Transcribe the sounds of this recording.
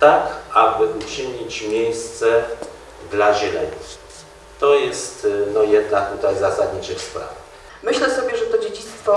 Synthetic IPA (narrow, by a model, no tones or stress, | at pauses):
t̪akabɘʔut͡ʂɘɲit͡ɕmʲjejst̪sɛ | d̪laʑɛlɛɲi | t̪ɔjɛst̪nɔjɛd̪nak̚t̪ut̪ajzasad̪ɲit͡ɕɛxspɾa̰vɛ | mɘɕlɛsɔbʲjɛʐɛt̪ɔd͡ʑed͡ʑit̪st̪fɔ